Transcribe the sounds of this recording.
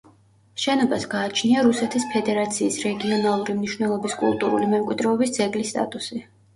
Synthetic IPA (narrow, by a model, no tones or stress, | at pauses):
ʃɛnɔbasɡaːt͡ʃʰniaɾusɛt̪ʰispʰɛd̪ɛɾat̪sʰiːsɾɛɡiɔnalˠuɾimniʃvnɛlˠɔbiskʼṵlˠt̪ʼuɾulimɛmkʼwid̪ɾɛɔbisd̪zɛɡlist̪ʼa̰t̪ʼusi